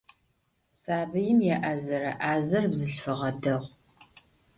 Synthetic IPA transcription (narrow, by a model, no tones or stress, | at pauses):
saːbɨjɪmjɛʔɐzɐɾɐ̰ʔaːzɐrbzɨɬfɨʁɐdɐʁʷ